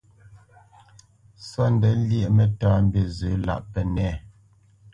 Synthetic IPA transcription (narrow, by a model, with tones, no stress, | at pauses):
sɔ˦n̩˨dɛ˨˦ljɛ˦˨ʔmɛ˦taː˦m̩˦be˨zʉ˨˦la̰˦˨ʔpɛ˨nɛ˦˨